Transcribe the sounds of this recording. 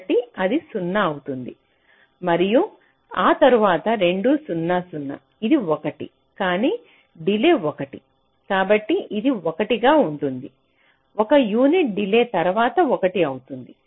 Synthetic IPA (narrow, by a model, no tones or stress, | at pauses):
ʈiɐd̪isunːɐːɐwut̪und̪i | mɐɾiju | aːt̪ɐɾuʋaːt̪ɐɾe̞ɳɖuːsunːɐsunːɐ̰ | id̪iɔkɐʈḭ | kaːniː | ɖileːɔkɐʈi | kaːbɐʈːiʔid̪iokɐʈiɡaːuɳʈund̪i | ɔkɐjuːniʈ̚ɖileːt̪ɐɾuʋaːt̪ɐɔkɐʈiɐwut̪und̪i